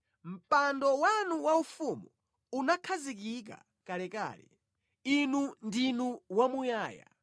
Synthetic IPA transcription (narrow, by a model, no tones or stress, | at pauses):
m̩pandɔwanuwaufumu | unakʰazik̬ik̬a̰ | kalɛka̰ːlɛ̰ | inundinuwamujaːja̰